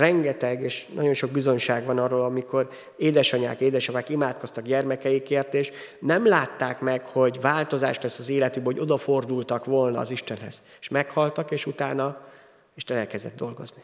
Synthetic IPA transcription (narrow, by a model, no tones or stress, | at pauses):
rɛŋɡɛt̪ɛɡeːʃnʔɒ̰ɟo̞nʃo̞ɡ̚bizo̞ɲʃaːɡvɒnɒrːoːlɒmiko̞r | eːd̪ɛʃɒɲa̰ːkeːd̪ɛʃovaːkimaːt̪ko̞st̪ɒɡɟɛrmɛkɛjikeːrt̪eːʃ | nɛmlaːt̪ːaːkmɛkho̞ɟvaːlt̪o̞za̰ːʃlɛsːɒzeːlɛt̪ybɛho̞ɟo̞d̪ɒfo̞rd̪ult̪ɒkʋo̞lnɒ̰ːziʃt̪ɛnɦɛ̰z̥ | eʃmɛkhɒlt̪ɒkeːʃut̪aːnɒ | iʃt̪ɛnɛlkɛzd̪ɛ̰d̪ːo̞lɡo̞̰zni